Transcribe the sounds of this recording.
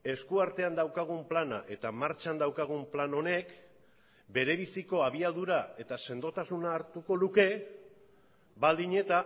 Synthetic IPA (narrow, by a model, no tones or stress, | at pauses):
e̞skuaɾt̪e̞and̪awkaɣ̞umplana̰ʔe̞t̪amaɾt͡ʃand̪awkaɣ̞umplano̞ne̞k | be̞ɾe̞β̞isiko̞aβ̞iaðuɾae̞t̪ase̞nd̪o̞t̪asunaːɾt̪uko̞luke̞ | bald̪iɲe̞t̪a